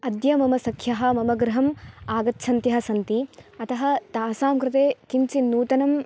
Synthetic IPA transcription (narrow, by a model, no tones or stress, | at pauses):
ɐd̪jɐmɐmɐsɐkʰːjɐɦɐ̆mɐmɐɡɾɐɦɐmaːɡɐt̪ːʃʰɐnt̪jɐɦɐ̆sɐnt̪iɐt̪ɐɦɐt̪aːsaːmkɾɪt̪eːkint͡ʃinːuːt̪ɐnɐm